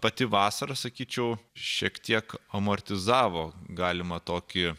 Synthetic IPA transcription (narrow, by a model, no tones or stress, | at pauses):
pɐt̪ʲɪʋɑːsɐɾɐsɐkʲiːt͡ʃʲɛʊʃʲiɛkt̪ʲiɛkɐmɐɾʲt̪ʲɪzɑːʋoːɡɑːlʲɪmɐt̪oːkʲɪ